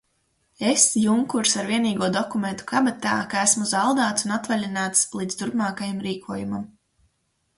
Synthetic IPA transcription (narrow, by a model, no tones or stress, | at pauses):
esjuŋkuɾsaɾviɛniːɡuɔd̪ɔkument̪u̥kabɛt̪aːkaæsmuzalˠd̪aːt̪sunat̪valʲinaːt̪slˠiːd̪st̪uɾpmaːkajamɾiːkʰuɔjumam